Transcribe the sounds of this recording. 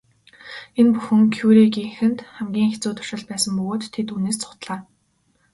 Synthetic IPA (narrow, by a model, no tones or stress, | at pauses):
enpuxɘ̆ŋkʰjuːɾiɡiŋxɘ̆nt̪χæmɡʲiːŋxet͡suːt̪ʰʊ̥ʃɪ̆ɮt̪pæːsə̆mpɵɣoːt̪ʰːet̪uneːst͡sʰʊ̥t̪ɮaː